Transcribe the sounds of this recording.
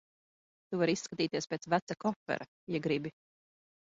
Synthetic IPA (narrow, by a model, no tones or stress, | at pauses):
t̪uvaɾisːkat̪iːt̪iɛspʲeːt̪svæt̪sakɔfɛ̰ɾa | jɛɡɾibi